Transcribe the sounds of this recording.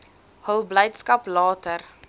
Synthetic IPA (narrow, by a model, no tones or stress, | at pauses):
həlˠbləjtskɐplɑːtər